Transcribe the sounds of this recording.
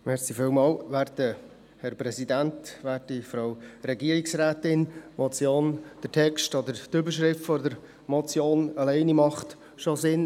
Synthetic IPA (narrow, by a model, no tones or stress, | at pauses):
mɛɾsifɪːlmɑːlʋæːɾtə | hɛɾpɾɛsidæntʋæːɾtifɾɑwɾɛɡiəɾiksɾæːtɪnmɔt͡sjoːnd̥ətʰɛkstɔd̪əɾtʏbəɾʃɾɪftfɔdəɾ | mɔt͡sjoːnəlɛɪnimɑχt̪ | ʃɔsɪn